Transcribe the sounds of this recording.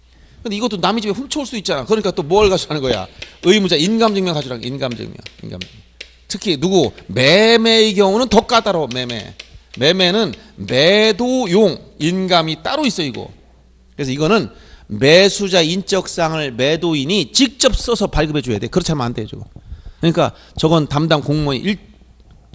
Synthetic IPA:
kɯnd̪eiɡʌt͈ːonamid͡ʑimeɸumt͡ɕʰouɭs͈uuit̚t͡ɕ͈anaokɯɾʌɲik͈at͈omuʌʌɭɡad͡ʑianɯnɡʌja̰ɯimud͡ʑainɡamd͡ʑɯŋmjʌnkad͡ʑuɾaŋḭnɡamd͡ʑɯ̰ŋmjʌ̰nḭnɡa̰m | tʰɯkʰinuɡumeme̞eɡjʌŋunɯntʌk͈at͈aɾome̞me̞̰me̞me̞nɯnmedojoŋinɡamit͈aɾois͈ʌiɡo̰ | kɯɾesʰʌiɡʌnɯnme̞sʰud͡ʑaeint͡ɕ͈ʌk̚s͈aŋɯɭme̞doinit͡ɕik̚t͡ɕ͈ʌp̚s͈ʌsʰʌpaɭɡɯbʱɦe̞d͡ʑujadekɯɾʌt͡ɕʰaɾmnanded͡ʑoɡokɯɲik͈a̰ | t͡ɕʌɡʌntamdankoŋmoɲḭʔiɭ

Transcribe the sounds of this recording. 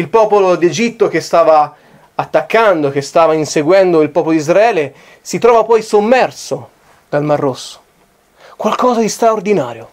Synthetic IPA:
ilpɔːpolod̪ed͡ʒit̪ːok̟est̪aːvaː | t̪ːakːand̪ok̟est̪aːvainseɡwɛnd̪oilpɔːpolod̪izɾaɛːle | sit̪ɾɔːvapɔjsomːɛrso | d̪almarːosːo̥ | kwalkɔːzad̪ist̪ɾaord̪inaːɾjo

